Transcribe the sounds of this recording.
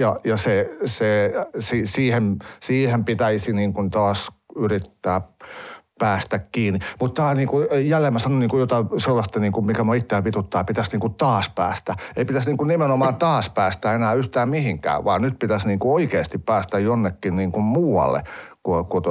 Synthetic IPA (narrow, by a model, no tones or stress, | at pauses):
jɑjɑsesesisiːhemsiːhempit̪æisiniːŋkunt̪ɑːsyrit̪ːæː | pæːst̪ækkiːnimut̪t̪ːɑːniːŋkujælːemːæsɑnoniːŋkujot̪ɑselːɑst̪ɑniːŋkumikæmuøit̪ːeːʋʋit̪ut̪ːɑːpit̪æsniːŋkutt̪ɑːspæ̰ːst̪æeipit̪æsniːŋkunnimenomɑːnt̪ɑːspæːst̪æenæːyht̪æːmmihiŋkæ̰ːʋɑːnyt̪pit̪æsniːŋkuoikeːst̪ippæːst̪æjjonːekːinniːŋkummuːɑ̰lːḛkokot̪